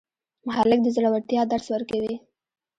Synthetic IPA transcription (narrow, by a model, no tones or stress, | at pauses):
mʊhalɪk̚d̪əzɽawaɽt̪jɑd̪aɽswəɾkawi